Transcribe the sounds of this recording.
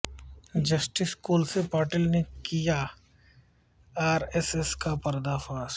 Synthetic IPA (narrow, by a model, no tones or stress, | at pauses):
d͡ʒɐsʈɪskuːlsepaːɾʈɪlnekija | aːɾɛseskapɐɾd̪afaːs